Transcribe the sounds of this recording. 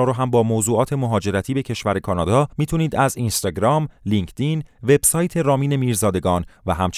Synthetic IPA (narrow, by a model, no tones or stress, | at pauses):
ɔːɾoɦæmbɒːmozuːɒːt̪ʰe̞moɦɒːd͡ʒe̞ɾæt̪ʰiːbe̞cʰe̞ʃvæɾe̞kʰɒːnɒːd̪ɒːmiːt̪ʰuniːd̪æzinst̪ɒɡɾɒːmliŋkʰt̪inve̞b̥sɒːjt̪ʰe̞ɾɒːmiːne̞miːɾzɒːd̪e̞ɡɒːnvæɦæmt͡ʃ